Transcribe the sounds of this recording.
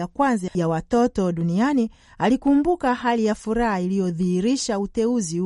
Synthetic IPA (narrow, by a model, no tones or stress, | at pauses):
akwanzajawatɔtɔɗuniani | alikumbukahalijafuɾahailijɔðihiɾiʃautɛuzi